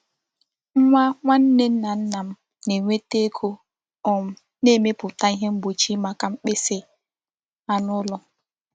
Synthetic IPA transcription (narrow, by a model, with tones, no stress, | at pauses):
ŋʷa˦ŋʷa˦n̩˦ne˦n̩˦na˨n̩˦na˨m̩˦ | ne˨ŋʷe˦te˦kʰu˦ | ɔ˨m̩˦ | ne˦˨me˦pʊ˨ta˦i˦ɦe˦m̩˦bo˨t͡ʃi˦ma˦ka˦m̩˦k͡pe˦se˦ | a˦nʊ˦lɔ˨